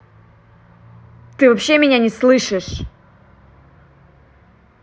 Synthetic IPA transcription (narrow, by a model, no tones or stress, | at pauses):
t̪ɨvɐpɕːe̞mʲɪnʲanʲɪslˠɨʂɨʂ